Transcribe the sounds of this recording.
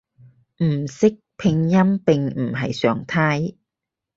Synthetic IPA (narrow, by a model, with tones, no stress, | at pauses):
m̩˨˩sɪ˥k̚pʰɪ˧ŋjɐ˥mpɪ˨ŋm̩˨˩ɦɐ̰˨jsœ̰ː˨ŋt̪ʰaː˥j